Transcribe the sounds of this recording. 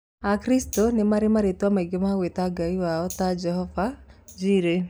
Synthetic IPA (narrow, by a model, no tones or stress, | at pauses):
akɾistonemaɾemaɾetwamaiɡemaɣwetaɡaiwaɔtad͡ʒɛhɔvad͡ʒiɾe